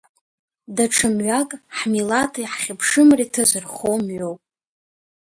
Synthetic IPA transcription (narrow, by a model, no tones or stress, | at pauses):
daʈ͡ʂʰɨmɥʷakʼħmilatʰiħχʲɪpʰʂɨmritʰazɨrχomɥowpʼ